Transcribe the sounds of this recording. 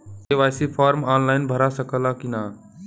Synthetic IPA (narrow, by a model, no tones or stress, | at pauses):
eʋajsipʰaːɾmaːnlaɪnbʱəɾasəkəlakina